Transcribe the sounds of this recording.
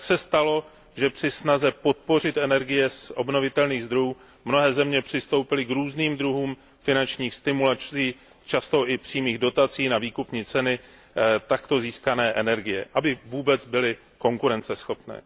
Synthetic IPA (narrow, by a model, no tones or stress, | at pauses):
ksɛst̪alo̞ | ʒɛpr̝̥ɪsnazɛpo̞t̪̚po̞r̝ɪt̪ʔɛnɛɾɡɪjɛsʔo̞̰bno̞vɪt̪ɛlniːɣzd̪ɾo̞juː | mno̞ɦɛːzɛmɲɛpr̥ɪst̪o̞wpɪlɪkɾuːzniːmd̪ɾuɦuːm | fɪnant͡ʃɲiːxst̪ɪmulaiː | t͡ʃast̪o̞ʔɪpr̥iːmiːɣdo̞t̪at͡siːnaviːkupɲiːt͡sɛnɪ | t̪akt̪o̞ziːskanɛːʔɛnɛɾɡɪjɛʔabɪvuːbɛt͡sbɪlɪ | ko̞ŋkuɾɛnt͡sɛsxo̞pnɛ̰ː